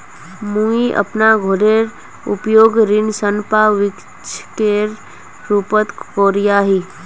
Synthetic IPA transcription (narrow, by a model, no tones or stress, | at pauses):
mũiʔə̰pnaɡʱoɾeɾ | ʊ̰pjoːɡɾɪnsənpaʋɪk | t͡ʃʰkeɾ | ɾupət̪koːɾijaɦi